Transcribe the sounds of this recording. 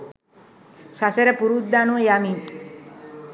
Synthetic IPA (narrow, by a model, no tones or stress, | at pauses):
saseɾəpuɾud̪d̪anuəjamin